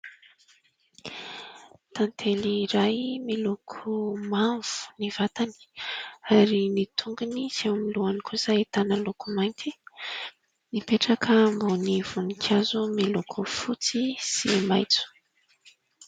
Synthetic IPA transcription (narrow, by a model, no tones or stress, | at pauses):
t̪ant̪ʰeliɾajmilukʰumavu̥nivat̪ani̥aɾinit̪ʰuŋɡuniz̥emiluanikuz̥aet̪anəlukumajnt̪ʰi | nipeʈ͡ʂakʰəmboniv̥unikʰazumilukʰufut͡sisimajt͡su̥